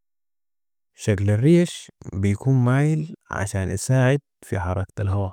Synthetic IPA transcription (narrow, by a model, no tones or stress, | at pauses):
ʃaklarːiːʃbɪjakuːnmaːjɪlʕa̰ʃaːnʔa̰saːʕɪd̪̚fiħɑɾˤɑkt̪alɦoː